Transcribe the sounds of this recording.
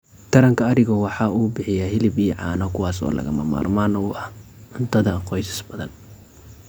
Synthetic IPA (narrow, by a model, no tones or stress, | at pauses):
t̪ʰɐɾɐŋkʰɐːɾɪɣɔwɑħɑːuːbɪħɪjaːɦɪlɪbijʕɑːnɔkʰʊwɑːsɔ̰ːlʔɐ̰ɣɐ̰mɐ̰ma̰ːrmaːnuːʔɐhʔʊnt̪ʰɐðɐqɔjsɐ̥sbɐðɐ̰n